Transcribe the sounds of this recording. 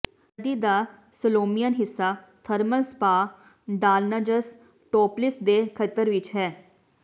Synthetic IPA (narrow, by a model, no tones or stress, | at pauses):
d̪iːd̪aː | səloːmijənɦɪsːaː | t̪ʰəɾməlspaː | ɖaːlnəd͡ʒəs | ʈoːplɪsd̪eːkʰət̪ːəɾʋɪt͡ʃɦɛː